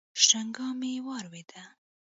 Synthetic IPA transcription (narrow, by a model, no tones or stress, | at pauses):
ʃʈaŋɡɑmewɑɾwed̪a